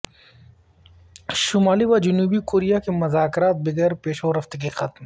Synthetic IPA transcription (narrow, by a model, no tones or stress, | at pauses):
ʃʊmaːliʋad͡ʒʊnuːbikoːɾijakemɐzaːkɾaːt̪̚bɪɡəɾpeːʃoːɾɐft̪ekexɐt̪m